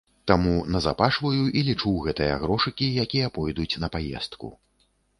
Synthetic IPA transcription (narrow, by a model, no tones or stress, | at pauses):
t̪amunɐza̰paʂvɐjuʔilʲit͡ʂuwɣɛt̪ɨjɐ̰ɣɾɔʂɨkʲijakʲijɐpɔjd̪ut͡sʲnɐpajɛ̰st̪kṵ